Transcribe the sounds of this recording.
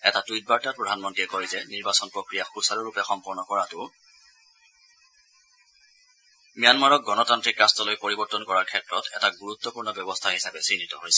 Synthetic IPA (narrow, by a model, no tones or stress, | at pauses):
ɛtatujt̚baɹtapɹɔdʱanmɔntiɛkɔjizɛniɹbasɔnpɹokɹijaxusaɹɔɹupɛxɔmpɔɹnɔkɔɹatʊ | mijanmaɹɔk̚ɡɔnɔtantɹikɹastɔlojpoɹibɔɹtɔnkɔɹaɹkʰɛtɹɔtɛ̰taɡuɹut̪ːɔpuɹnɔbjɔbɔstʰaɦisabɛsindʱitɔɦojsɛ̥